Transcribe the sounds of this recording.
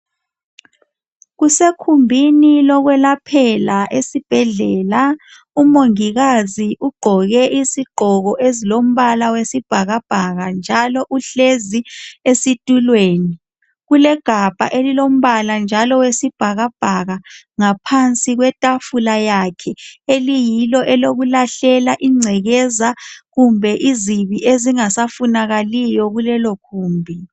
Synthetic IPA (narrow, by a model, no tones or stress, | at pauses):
ɣusekʰumbʱinilɔɣwɛlapʰɛlaʔesib̥ʱɛɮɛːla | umoŋiɣaziʔuɡ͡ǃʱɔɣɛʔisiɡ͡ǃʱɔɣɔʔezilom̩βalawesib̥ʱaɣab̥ʱaɣand͡ʒʱalɔʔuɬeziesitʼulweːni | ɣulɛɡ̥ʱab̥ʱaʔelilom̩βaland͡ʒʱalɔwesib̥ʱaɣab̥ʱaɣa | ŋapʰant͡sʼiɣwɛtʼafulajakʰɛelijilɔʔɛloɣulaɬɛlaʔiŋ͡ǀʱɛɣɛzaɣumbʱɛʔiziβiʔeziŋasafunaɣalijɔɣulɛlokʰuːmbʱi